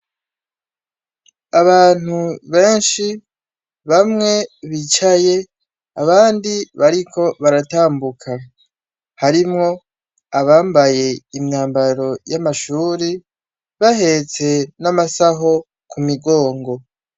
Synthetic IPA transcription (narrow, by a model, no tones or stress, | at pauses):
aβaːn̥uβe̞ːnʃi | βamŋe̞βit͡ʃaje̞ | aβaːndiβaɾikʰo̞βaɾataːmbukʰa | haɾimŋo̞ | aβaːmbaje̞imɲaːmbaɾo̞jamaʃuːɾi | βaɦe̞t͡se̞namasaɦo̞ | kʰumiɡo̞ːŋɡo̞